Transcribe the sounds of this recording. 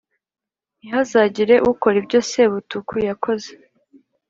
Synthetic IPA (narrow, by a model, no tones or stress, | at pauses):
ihazaːɟiɾe̞ʔuko̞ɾibɟo̞se̞βutukʰujakʰo̞ze̥